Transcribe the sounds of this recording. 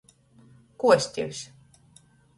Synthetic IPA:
kuɔsʲt̪ʲiwʲs

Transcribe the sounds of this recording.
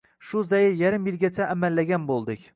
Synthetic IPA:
ʃʊzajɪjaɾɪmjɪlɡʲat͡ʃʰaʔːmalːaɡʲanbolˠd̪ɪkʲ

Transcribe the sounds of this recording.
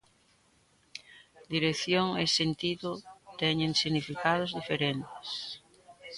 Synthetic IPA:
d̪iɾeθjoŋesent̪iðʊt̪ɛɲẽŋsiɣnifikað̞ozðifeɾent̪ɪ̥s

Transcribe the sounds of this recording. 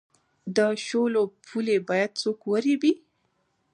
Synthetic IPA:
d̪əʃolopʰulebɑjad̪̚t͡sokwəɾebi

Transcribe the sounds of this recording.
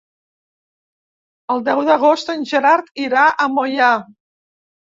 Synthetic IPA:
əlˠd̪ɛwðəɣost̪ənʲʒəɾaɾt̪iɾaʔəmoja

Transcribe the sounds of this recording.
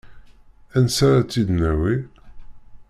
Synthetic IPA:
ænsaɾat͡sːid̪næwi

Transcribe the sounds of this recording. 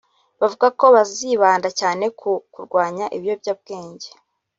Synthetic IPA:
βavuɡako̞βaziːβaːndacaːne̞kʰukuɾɡwaːɲaʔiβjo̞bɟab̚ɡe̞ːɲɟe̞

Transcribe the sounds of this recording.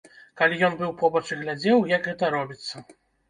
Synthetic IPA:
kalʲijɔnbɨwpɔbɐt͡ʂɨɣlʲad͡zʲɛwjɐɡɣɛt̪ɐɾɔbʲit̪sːɐ

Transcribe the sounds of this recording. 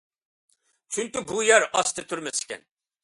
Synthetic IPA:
t͡ʃʰyŋkʲibujɛɾɑst̪ʰɨt̪ʰyɾmɛsɪ̥kʲɛ̰n

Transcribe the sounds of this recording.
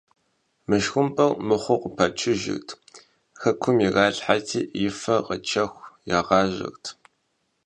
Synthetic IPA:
mɨʃxʷʊmpʼɐwmɨχʷʊqʷʊpʰɐt͡ʃʰɪʒɪ̰xtʰ | xɐkʷʰʊmiɣɑːɬħatʰiːʔjɪfɐqət͡ʃʰɐxʷjaːʁɑːʑɐ̰xtʰ

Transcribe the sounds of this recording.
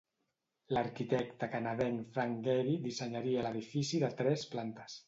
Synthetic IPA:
laɾkit̪ɛkt̪akanaðɛŋfɾaŋɡeɾid̪isəɲaɾialəðifisiðət̪ɾɛsplant̪ə̥s

